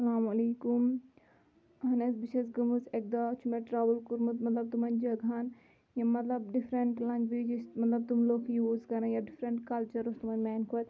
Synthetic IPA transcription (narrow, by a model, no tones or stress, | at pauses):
sɐlaːmɐleːkum | ɦɐnɐsbiʃɐsɡɐmuzek̚d̪aːt͡ʃʰumeʈɾaːʋəlkuɾmut̪mɐt̪lɐb̚t̪umɐnd͡ʒɐɡʱan | jamɐt̪lɐbɖifɾɐɳʈlɐ̃ŋɡʋeːd͡ʒismɐt̪lɐb̚t̪umloːkʰjuːzkɐɾɐ̃jaɖifɾɐɳʈkɐlt͡ʃɐɾust̪umɐnʲmɛːnkʰuɐt̪̚